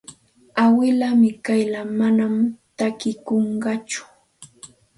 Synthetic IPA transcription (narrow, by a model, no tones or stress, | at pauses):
awɪlamɪkajlamanamt̪akɪkoɴɢɑt͡ʃʊ̥